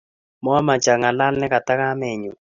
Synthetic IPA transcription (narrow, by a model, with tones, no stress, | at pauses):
mɔ˦ma˨t͡ʃa˨ŋa˨la˦lnɛ˦ka˨ta˦ka˦mɛ˨ɲu˨